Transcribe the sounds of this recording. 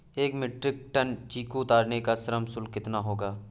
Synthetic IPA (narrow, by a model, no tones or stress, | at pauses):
eːkmɪʈɾɪk̚ʈənt͡ʃiːkut̪aːɾnekasɐɾəmsʊlkɪt̪naɦoːɡaː